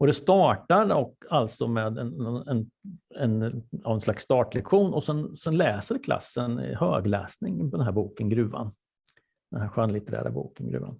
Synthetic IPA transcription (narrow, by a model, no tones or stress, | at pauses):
ɔd̪ɛst̪ɑːʈaɾɔkːalt̪sɔmeːd̪ɛnɔɛnɛnavɛnslaksːt̪ɑːʈlɛkɧuːnɔsɛnsɛnlɛːsəɾkʰla̰sːən̰høːɡlɛ̰ːsnɪŋpʰɔd̪ɛnæːɾbuːkənɡɾʉ̟ːva̰n | d̪̥ɛnhæɾɧanlɪt̪əɾæ̰ːɾa̰bṵːkənɡɾʉ̟ːa̰n